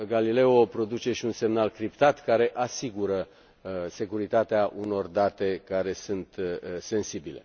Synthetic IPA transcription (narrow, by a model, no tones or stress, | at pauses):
ɡalile̞opɾo̞d̪ut͡ʃe̞ʃiunse̞mnalkɾipt̪at̪kaɾe̞ʔasiɡuɾə | se̞kuɾit̪at̪eaʔuno̞rd̪at̪e̞kaɾe̞sunt̪se̞nsibile̞̰